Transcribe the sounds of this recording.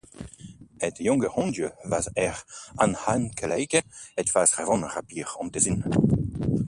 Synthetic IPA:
ɛtjɔ̃ŋɡəʁɔ̃ndjøvazɛʁãnhankʰalɛjkeɛtfaːzʁɛvɔ̃nʁapiːʁɑ̃nt̪ezin

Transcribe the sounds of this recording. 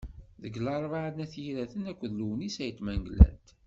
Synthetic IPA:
ðəɡlɑɾˤvaʕənæθjiɾæθənækʷːðluwnisæjət̪ːmæŋɡlæ̰nt̪

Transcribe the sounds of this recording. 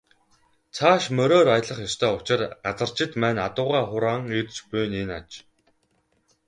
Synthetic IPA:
t͡sʰaːʃmœɾoːɾajə̆ɮə̆χjɔst̪ʰœːʊt͡ɕɪ̆rɢat͡sə̆r̥t͡ɕʰɪ̆t̪mæːnat̪ʊːʁaːχʊɾaːŋit̪t͡ɕpʊjnena̰t͡ɕ

